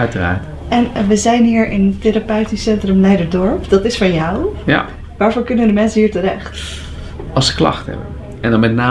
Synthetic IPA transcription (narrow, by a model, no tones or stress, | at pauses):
œtəra̰ːɹt | ɛnʋəzɛjnɦiːɹɪntɪɾapœɥtisɛntrəmlɛjdəɹdɔɹpd̥ɑtɪsfɑnjawja̰ | ʋaːɹvoːɹkɵnəədəmɛnsənɦiːɹtəɾɛχt | ɑlˠsə̥klɑ̰χthɛ̰bə̰n | ɛndɑnmɛtnaː